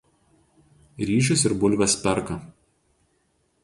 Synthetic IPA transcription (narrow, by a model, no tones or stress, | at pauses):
ɾʲiːʃ̬ʲʊsɪɾbʊlʲʋʲɛspʲɛɾkɐ